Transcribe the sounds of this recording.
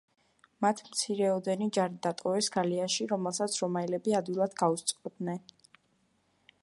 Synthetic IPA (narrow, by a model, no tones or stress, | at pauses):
mat̪ʰmt̪sʰiɾɛɔd̪ɛnid͡ʒaɾid̪at̪ʼɔvɛsɡaliaʃiɾɔmɛlˠsat̪sʰɾɔmailɛbiad̪wilˠad̪ɡaust̪sʼqʼɔd̪nɛn